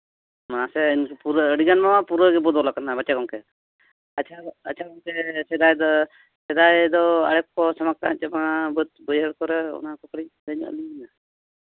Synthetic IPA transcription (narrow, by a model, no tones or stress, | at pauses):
mãsɛɲpuɾəɽiɡanmamapuɾɔɡɛbɔd̪ɔlakanabat͡ʃakɔmkɛ | at͡ʃʰaɐt͡ʃʰakɔmkɛsɛd̪ajd̪ɔ | sɛd̪ajd̪ɔa̰ɽɛkkɔsamak̚t̪at͡ʃɛmaabət̪̚bəjəɽkɔɾɛɔ̰nakɔkɽid̪əɲ̰ə̰lina